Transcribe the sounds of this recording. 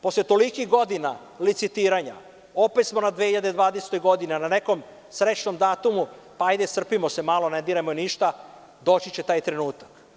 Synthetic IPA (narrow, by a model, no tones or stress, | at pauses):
po̞slet̪o̞likixɡo̞d̪ina̰ | lit̪sit̪iːɾaɲa̰ | o̞pet̪smo̞nad̪ʋehiʎad̪ed̪ʋaːd̪eset̪o̞jɡo̞d̪inenane̞ko̞m | sɾet͡ɕno̞md̪aːt̪umu | paajd̪e̞sr̩pimo̞se̞malo̞ned̪iɾamoeniʃt̪a | d̪o̞t͡ɕit͡ɕe̞t̪aːjt̪ɾe̞nuːt̪ḁk